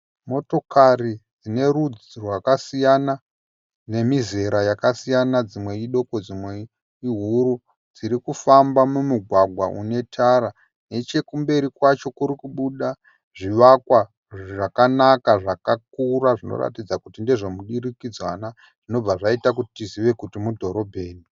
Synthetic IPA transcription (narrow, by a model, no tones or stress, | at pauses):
mo̞to̞karid͡zine̞ɾud͡zirwakasijana | ne̞mize̞ɾajakasijanad͡zimwe̞iɗo̞ko̞d͡zimwe | iɦuɾu | d͡ziɾikufambamumuɡʱwaɡʱwaʔṵne̞tʰaɾa | ne̞t͡ʃe̞kumbe̞ɾikwat͡ʃo̞kuɾikuɓuɗa | ʐiʋakwa | ʐakanakaʐakakuɾaʐino̰ɾa̰tid͡zakutindeʐomuɗirikid͡zwana | ʐ̥ino̞b͡vaʐaitak̬utitiziʋe̞kutimudʱo̞ɾo̞bʱe̞ːni